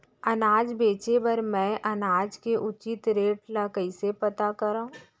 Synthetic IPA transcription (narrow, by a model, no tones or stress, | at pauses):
ɐnaːd͡ʒbeːt͡ʃebɐɾmɛ̃ʔɐnaːd͡ʒkeʔʊt͡ʃɪt̪ɾeːʈlakəisepɐt̪akɐɾaːũ